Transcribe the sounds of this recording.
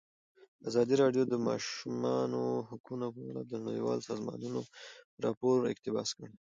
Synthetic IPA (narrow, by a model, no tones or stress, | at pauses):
azɑd̪iɾɑɖjod̪əmɑʃumɑnohʊkunopaɽad̪ənɳawḭwɑ̰lsɑzmɑ̰nunoɾɑpoɾɪ̰qt̪ɪbɑskəɽ